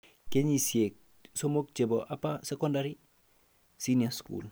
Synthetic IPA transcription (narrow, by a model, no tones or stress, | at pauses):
keɲisiek̚ | somok̚t͡ʃeboʔapasekondaɾi | siniaskṵl